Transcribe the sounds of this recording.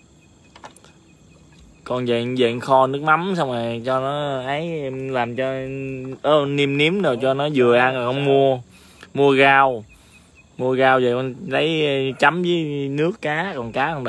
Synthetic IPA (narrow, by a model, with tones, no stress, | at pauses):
kɔ˨˩nzə̰˧˨zḛ˧˨nxɔ˧nɨ˦˥ək̚ma˨˦msa˧wŋ͡ma˨˩t͡ɕɔ˧nɔ˨˦ʔə˨˦jʔɛ˧mlaː˨˩mt͡ɕɔ˧ʔəː˨˦ni˧mni˨˦˥əmnaː˨˩t͡ɕɔ˧nɔ˨˦zɨ˨˩əʔa˧nɔ˨˩hɔ˧wŋ͡mmu˧ə | mu˧əɣaː˧w | mu˧əɣaː˧wzə̰˨jkɔ˨˩nlə˨˦jt͡ɕa˨˦mzəː˨˦jnɨ˦˥əkːaː˨˦kɔ˨˩nkaː˨˦ə˧wɗ